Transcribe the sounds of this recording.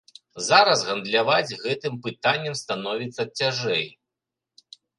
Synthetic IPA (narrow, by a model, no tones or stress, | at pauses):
zaɾɐzɣɐnd̪lʲavad͡zʲɣɛt̪ɨmpɨt̪anʲːɐmst̪anɔvʲit̪sːɐt͡sʲːaʐɛj